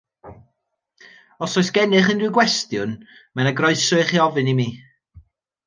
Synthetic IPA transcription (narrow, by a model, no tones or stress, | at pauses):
ɔsɔɨsɡ̥ɛnɨχəndɪɡwɛstjʊn | manaɡrɔɨsʊɨχiɔvɨnimiː